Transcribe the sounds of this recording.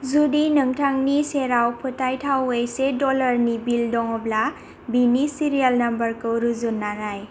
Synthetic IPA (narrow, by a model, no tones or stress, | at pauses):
zudinɯŋtʰaŋniseɾawpʰɯtajtʰawejsedɔlaɾnibildɔŋɔbla | binisiɾialnɐmbəɾkɯɾuzunːaɾaj